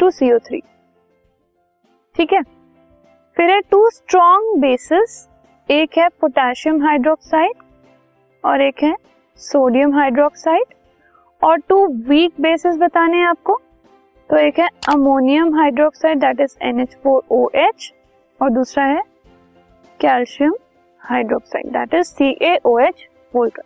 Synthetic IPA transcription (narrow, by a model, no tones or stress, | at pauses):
ʈuːsiːoːt̪ʰɾḭː | ʈʰiːkɦɛː | fɪɾɦɛʈuːsʈɾɔ̃ːŋɡbeːsɪs | eːkɦɛpoʈaːʃiəmɦaːɪɖɾɔːksaːɪʈ | ɔːɾeːkɦɛ | soːɖijə̃mɦaːɪɖɾɔːksaːɪʈ | ɔːɾʈuːʋiːk̚beːsɪsbɐt̪aːnẽaːp̚ko | t̪oeːkɦɛɐmoːnijəmɦaːɪɖɾɔːksaːɪɖd̪aːʈɪzɛ̰net͡ʃfoːɾoːʔet͡ʃ | ɔːɾd̪uːsɾaɦɛ | kɛːlʃiəm | haːɪɖɾɔːksa̰ːɪɖ̚d̪a̰ːʈɪzsiːʔeːʔoːeːt͡ʃ | boːlʈə